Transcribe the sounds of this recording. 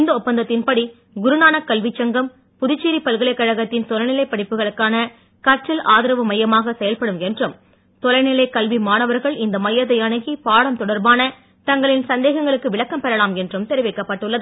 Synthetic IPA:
nd̪ɐɔpːɐnd̪ɐt̪ːɪnpɐɽi | ɡʊɾɯnaːnɐkːɐlʋit͡ʃːɐŋɡɐm | pʊðɪt͡ʃːiːɾipɐlɣɐɭɐɪkːɐɻɐɣɐt̪ːɪnt̪ɔlɐɪnɪlɐɪpːɐɽɪpːɯɣɐɭɯkːaːnɐ | kɐʈrɐlaːðɪɾɐʋɐmɐjɐmaːɣɐsɛjɐlpɐɽɯmɛndrɯm | t̪ɔlɐɪnɪlɐɪkɐlʋimaːnɐʋɐɾɣɐɭɪnd̪ɐmɐjɐðɐɪɐɳɐɣipaːɽɐmt̪ɔɽɐɾbaːnɐ | t̪ɐŋɡɐɭɪnsɐnd̪eːɣɐŋɡɐɭɯkːɯʋɪɭɐkːɐmpɛɾɐlaːmɛndrɯmt̪ɛɾɪʋɛɪkːɐpːɐʈːɯɭːɐðɯ

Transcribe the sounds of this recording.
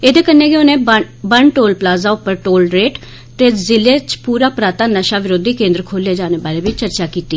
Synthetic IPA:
eːd̪eːkənːeːɡeonẽːb | bəɳʈoːlplaːzaːʊpːəɾʈoːlɾeːʈ | t̪ezɪleːt͡ʃpuːɾaːpɾaːt̪aːnəʃaːʋɪɾoːd̪iːkẽːnd̪ɾəkʰoːleːd͡ʒaːneːbaːleːʋɪt͡ʃt͡ʃəɾt͡ʃaːkiːt̪iː

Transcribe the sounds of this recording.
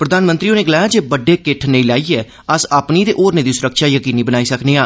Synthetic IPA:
pɾəd̪aːnmənt̪ɾiːõːneːɡəlaːjaːd͡ʒeːbəɖːeːkɪʈʰneilaːiːɛː | əsaːpniːd̪eːʔoːɾnẽːd̪iːsʊɾəkʃaːjəkiːniːbənaːiːsəkneːãː

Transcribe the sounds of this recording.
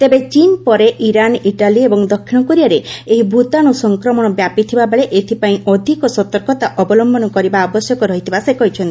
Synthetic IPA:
t̪ebet͡ʃinpɔɾeʔiɾaniʈaliebɔŋd̪ɔkʰːinɔkɔɾijaɾeeɦibʱut̪aɽ̃usɔŋkɾɔmɔɽ̃ɔbjapit̪ʰibabeɭeʔet̪ʰipaĩɔd̪ʱikɔsɔt̪ɔɾkɔt̪aʔɔbɔlɔmbʱɔnɔkɔɾibaːbɔsjɔkɔɾɔɦit̪ʰibasekɔɦit͡ʃʰɔnt̪i

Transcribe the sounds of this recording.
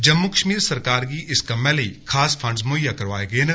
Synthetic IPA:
d͡ʒɐmːukə̥ʃmiːɾsɐɾkaːɾkiʔɪskɐmɛlikʰaːspʰɐ̃ɳɖsmojakɐɾʋaːeɡəen

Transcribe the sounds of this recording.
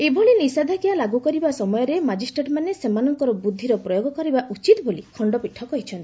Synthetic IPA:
ebʱɔɭinisad̪ʱakijalaɡukɔɾibasɔmɔjɔɾemad͡ʒisʈɾeʈmanesemanɔŋkɔɾɔbud̪ʱːiɾɔpɾɔjoɡɔkɔɾibaʔut͡ʃit̪ɔbolikʰɔɳɖɔpiʈʰːɔkɔɦit͡ʃʰɔnt̪i

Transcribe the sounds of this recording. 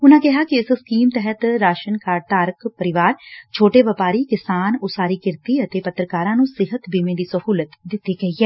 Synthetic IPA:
ʊnãːkɪɦaːkɪɪsskiːmt̪ɛɦət̪ɾaːʃənkaːɾt̪aːɾəkpəɾɪʋaːɾt͡ʃʰoːʈeːʋəpaːɾiːkɪsaːnʊsaːɾiːkɪɾt̪iːət̪eːpət̪ɾəkaːɾãːnũːsɪɦət̪biːmẽd̪iːsəhuːlət̪d̪ɪt̪ːiːɡəiːɦɛː

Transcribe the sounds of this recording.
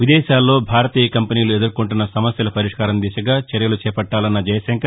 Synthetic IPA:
ʋid̪ɛːʃaːlːo̞ːbʱaːɾɐt̪iːjɐkɐmpɐniːjlued̪ɐɾkoɳʈunːɐsɐmɐsjɐlɐpɐɾiʂkaːɾɐmd̪iːsɐɡaːt͡ʃɐɾjɐlut͡ʃɛːpɐʈːaːlɐnːɐd͡ʒɐjɐsɐŋkɐɾ

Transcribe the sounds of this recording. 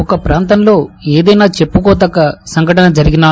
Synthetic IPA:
ɔkɐpɾaːnt̪ɐmlo̞ːeːd̪ɐjnaːt͡ʃe̞pːukɔːt̪ɐkːɐsɐŋɡʱɐʈɐnɐd͡ʒɐɾiɡinaː

